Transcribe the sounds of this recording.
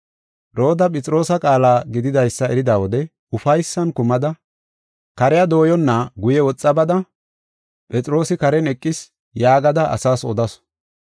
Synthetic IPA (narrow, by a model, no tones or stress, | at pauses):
ɾo̞ːd̪ɐpʼɛt͡sʼɪɾo̞ːsɐkʼaːlaːɡɪd̪ɪd̪ɐjsːɐɛɾɪd̪aːwɔd̪ɛ | ʊfɐjsːɐnkʊmɐd̪ɐ | kɐɾɛjɐd̪o̞ːjɔnːɐɡʊjɛwɔt͡sʼːɐbɐd̪ɐ | pʼɛt͡sʼɪɾo̞ːsɪkɐɾɛnɛkʼːɪs | jaːɡɐd̪ɐʔɐ̰saːsɔd̪ɐsɔ̥